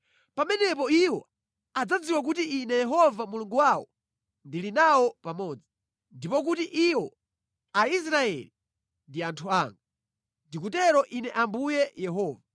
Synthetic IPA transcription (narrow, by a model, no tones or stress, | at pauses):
pamɛnɛpɔiwɔ | ad͡zad͡ziwak̬utiʔinɛjɛɦɔvamuluŋɡuwawɔ̰ | ndilinawɔpamɔd͡zi | ndipɔk̬utiʔiwɔ | ais̬ɾaɛ̰li | ndiantʰuaːŋɡu | ndik̬utɛɾɔʔinɛʔambujɛjɛɦɔːva